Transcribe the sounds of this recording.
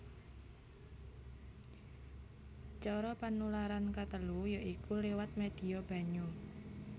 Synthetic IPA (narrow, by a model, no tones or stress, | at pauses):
t͡ʃɔɾɔpanulaɾankat̪əlujaʔikulewat̪̚med̪̥i̤ɔb̥a̤ɲu